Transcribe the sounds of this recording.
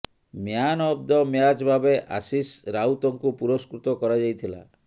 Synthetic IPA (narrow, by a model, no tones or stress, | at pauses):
mjanɔb̚d̪ɔmjad͡ʒbʱabeʔa̰sisɾawt̪ɔŋkupuɾɔskɾut̪ɔkɔɾad͡ʒajt̪ʰila̰